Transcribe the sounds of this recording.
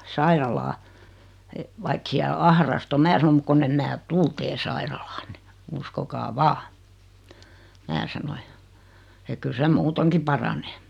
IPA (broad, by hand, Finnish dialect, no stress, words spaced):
sɑirɑlɑː ʋɑik siæl ɑhrɑst o mæː sɑno mŭk konː em mæː tul teː sɑirɑlɑːnːe uskokɑː ʋɑː mæː sɑno jɑ ek kyl sem muːteŋki pɑrɑneː